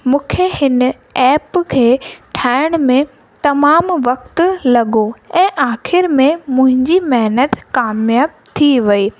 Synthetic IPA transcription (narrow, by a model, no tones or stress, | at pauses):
mũːkʰehɪn | ɛːpkʰeːʈʰaːɪəɽ̃mẽ | t̪ɐmaːmʋɐk̚t̪lɐɠoɛ̃ːʔaːxɪɾmẽmʊ̃ɦɪ̃ɲd͡ʑimɐɦnət̪kaːmjaːb̚ | t̪ʰiʋɐiː